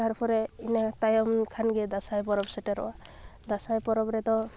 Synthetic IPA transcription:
t̪aɾpʰɔɾɛinat̪ajɔmkʰanɡɛd̪asajpɔɾɔbsɛʈɛɾɔ̰wad̪asajpɔɾɔbɾɛt̪ɔ

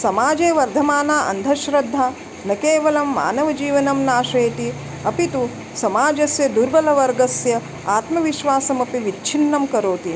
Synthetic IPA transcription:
sɐmaːd͡ʒeːʋɐɾd̪ʱɐmaːnaːʔɐ̰nd̪ʱɐʃɾɐd̪ʱːaː | nɐkeːʋɐlɐmːa̰ːnɐʋɐd͡ʒiːʋɐnɐmnaːʂeːt̪i | ɐpit̪u | sɐmaːd͡ʒɐsjɐd̪uɾbɐlɐʋɐɾɡɐsjɐ | aːt̪mɐʋiʃʋaːsɐmɐpiʋit͡ʃːt͡ʃʰinːɐmkɐɾoːt̪i

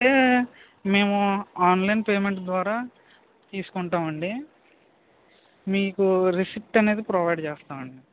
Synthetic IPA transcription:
eː | me̞ːmuaːnlɐjnpeːmeɳʈd̪ʋaːɾaː | t̪iːsu̥kuɳʈaːmɐɳɖi | miːkuɾisiʈːɐne̞ːd̪ipɾoːʋɐjɖt͡ʃeːst̪aːmɐɳɖi

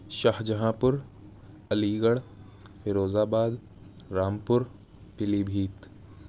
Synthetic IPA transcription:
ʃahd͡ʒɐɦãːpʊɾ | ɐliːɡəɽ | fɪɾoːzaːbaːd̪ | ɾaːmpʊɾ | pɪliːbʱiːt̪

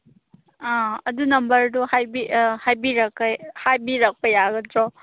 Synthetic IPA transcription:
ãɐdunɐmbɐɾduhajbihajbiɾɐkːajhajbiɾak̚pɐjaɡɐtɾɔ

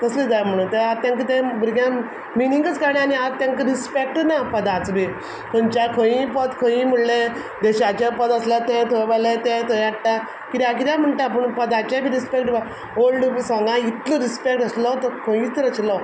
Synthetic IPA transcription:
k̪əslid͡zajm̤əɽ̃ũt̪eat̪ːjãŋkət̪ɛ̃bɾɡjã | miniŋɡət͡skaɾɳaaniat̪jãŋkəɾispek̚ʈnapəd̪at͡sbʱi | kʰənt͡ɕakʰə̃jĩpət̪kʰə̃ĩm̤əɽle | d̪eɕat͡ɕapəd̪əslat̪ɛ̃t̪ʰəjʋalet̪ɛ̃t̪ʰəjaɽʈa | kit̪ak̬it̪am̤əɳʈ̪apəɳpəd̪at͡ɕabʱiɾispek̚ʈba | olɖsãŋɡãit̪lɔɾispek̚ʈəslɔt̪ɔkʰə̃ĩt͡sɾət͡ɕlɔ

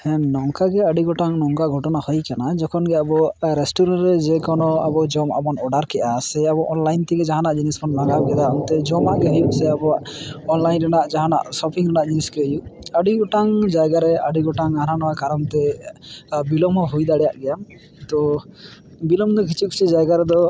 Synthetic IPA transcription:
hɛ̃nɔŋkaɡɛəɖiɡɔʈaŋnɔŋkaɡʱɔʈɔnahɔjkanad͡ʒɔkʰɔnɡɛabɔɾesʈuɾɔnɾɛd͡ʒɛkɔnɔa̰bɔd͡ʒɔma̰bɔnɔɖaɾkɛʔasɛabɔʔɔnlajnt̪ɛɡɛd͡ʒaɦanaʔd͡ʒinismʰɔnːaɡab̚ɡɛd̪aɔnt̪ɛd͡ʒɔmaʔɡɛɦɔjuʔsɛabɔaʔɔnlajnɾɛnaʔd͡ʒaɦana̰ʔsɔpʰiŋɾɛnaʔd͡ʒiniskɛjuəɖiɡɔʈaŋd͡ʒajɡaɾɛaɖiɡɔʈaŋananɔwakaɾɔnt̪ɛ | bilɔmɔɦujd̪aɽɛjaʔɡɛjam | t̪ɔ | bilɔmd̪ɔkʰit͡ʃii̥t͡ʃid͡ʒajɡaɾɛd̪ɔ

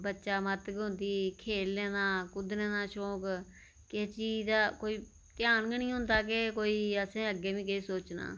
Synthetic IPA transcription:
bətːʃaːmət̪kːɦʊ̃nd̪iːkʰeːllɛːnaːkʊd̪nẽːnãːʃoːk | keːt͡ʃiːd̪aːkoːiː | t̪ɪjaːnɡənĩːɦʊ̃nd̪aːkekoːiːəsẽːəɡːeːʋĩːkɪiːsoːt͡ʃna̰ː

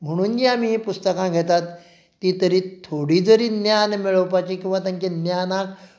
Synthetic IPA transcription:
m̤əɽ̃uːnd͡ʑiamiːpust̪əkãɡʱɛt̪at̪ː | iːt̪əɾiːtt̪ʰoɽid͡zəɾiːnjanmiɭəʋpat͡ɕikĩw̃ʋat̪ãŋkenjanak

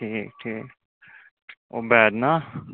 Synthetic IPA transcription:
ʈʰiːk̚ʈʰiːk | oːbɛːd̪na

